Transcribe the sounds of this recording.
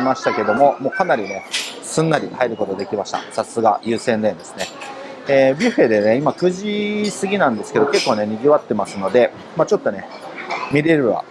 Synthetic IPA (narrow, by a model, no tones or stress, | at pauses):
maɕi̥t̪ake̞d̪o̞mo̞mo̞ːkanaɾʲine̞ | sɨ̃nːaɾʲihaeɾɯ̟ko̞t̪o̞d̪e̞kʲimaɕi̥t̪a̰sasɨɡa̰jɯ̟ːsẽnd̪ẽnd̪e̞sɨ̥ne̞ | eːbʲiɸe̞d̪e̞ne̞imakɯ̟ʑisɨɡʲinãnd̪e̞sɨ̥ked̪o̞ke̞kːo̞ːne̞ɲ̟iɡʲiβat̪ːe̞masɨno̞d̪e̞ | mat͡ɕo̞t̪ːo̞ne̞ | mʲiɾe̞ɾɯ̟βa̰